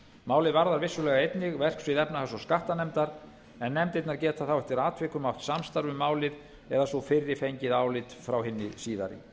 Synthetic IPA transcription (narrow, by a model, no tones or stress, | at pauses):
maːwlɪðvaɾðaɾvɪsːʏlɛːɣaejt̪nɪɣvɛr̥ksvɪðɛpnaθasɔskaht̪anɛmt̪aɾ | ɛnːɛmt̪ejt̪naɾcɛːt̪ʰaθawɛht̪ɪɾaːt̪ʰvɪkʏmaw̥t̪samst̪aɾvʏmaːwlɪð | ɛðasɔfɪrːɪfejɲcɪðaːwlɪt̪fɾawhɦɪnːɪsiːða̰ɾɪ̰